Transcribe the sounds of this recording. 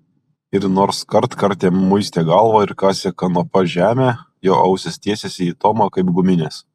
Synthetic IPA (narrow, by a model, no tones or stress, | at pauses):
ɪɾnoːɾskɐɾt̪kɐɾʲt̪ʲeːmʊɪsʲt̪ʲeːɡɐlˠʋoːɪɾkɑːsʲɛkɐnopɐʒʲæːmʲeː | joːʔɐʊsʲɛsʲt̪ʲiɛsʲɛsʲɪiːt̪oːmɐkɐɪpɡʊmʲɪnʲeːs